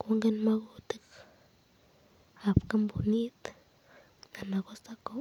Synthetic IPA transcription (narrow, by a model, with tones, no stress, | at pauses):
ko˦ŋɡe˦nma˦ɡu˦t̪i˦k | a˨pka˦mbu˨ni˦t̪ | ŋa˨na˨ɡo˦sa˦ko˨